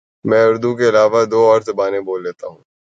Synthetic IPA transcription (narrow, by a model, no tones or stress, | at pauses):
mɛ̃ːʊɾd̪uk̬eɪlaːʋad̪oːɔːɾt̪baːnẽboːlːeːt̪a̰ɦũː